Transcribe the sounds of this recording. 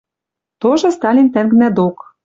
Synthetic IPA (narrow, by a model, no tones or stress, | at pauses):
t̪oʒɤ̆st̪ɑlʲint̪æŋɡnæd̪ok